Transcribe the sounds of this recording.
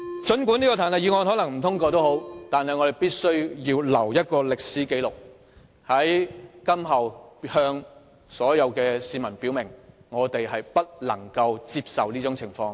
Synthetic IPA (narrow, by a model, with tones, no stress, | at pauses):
t͡ʃɵ˨˥nkʷu˨˥niː˥kɔ˧t̪ʰaː˨˩nlɐ˨jiː˨˧ŋɔː˧nhɔː˨˥lɐ˨˩ŋm̩˨˩t̪ʰʊ˥ŋkɔː˧t̪̬o˥wɦo˨˥wt̪aː˨nɦɐ˨jŋɔː˨˧ɾe˨˩jpiː˥t̚sɵ˥ɥjiː˧wlɐ˨˩wjɐ˥t̚kɔː˧lɪ˨k̚siː˨˥ke˨˧jlʊ˨k̚ | hɐ˨˥jkɐ˥mɦɐ˨˩whœː˧ŋ | sɔː˨˥jɐ˨˧wkɛː˧siː˨˧mɐ˨˩npi˨˥wmɪ˨˩ŋŋɔː˨˧t̪e˨jɦɐ˨jpɐ˥t̚lɐ̰˨˩ŋkɐ˧wt͡siː˧p̚sɐ˨wliː˥t͡sʊ˨˥ŋt͡sʰɪ˨˩ŋfɔː˧ŋ